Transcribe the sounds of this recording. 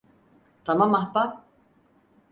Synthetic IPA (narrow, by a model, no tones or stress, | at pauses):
t̪ʰamamːahpa